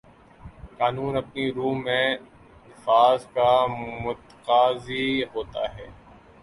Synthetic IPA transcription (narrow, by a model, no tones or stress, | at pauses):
kaːnuːnɐpniɾuːmẽ | nɪfaːzkamʊt̪qaːziɦoːt̪a̰ɦɛː